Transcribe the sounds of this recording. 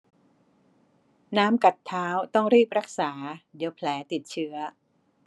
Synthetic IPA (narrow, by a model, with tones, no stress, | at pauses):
naː˦˥mka˨˩t̪ʰːaː˦˥wt̪ɔ˥˩ŋɾiː˥˩p̚ɾa˦˥k̚saː˩˦di˩˦wpʰlɛː˩˦t̪i˨˩t̪̚t͡ɕʰɯ˦˥ɐ